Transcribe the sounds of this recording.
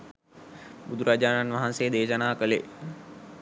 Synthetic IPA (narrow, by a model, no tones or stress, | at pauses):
bud̪ʱuɾad͡ʒaːnanʋaɦansejəd̪eːd͡ʒanaːkəlḛ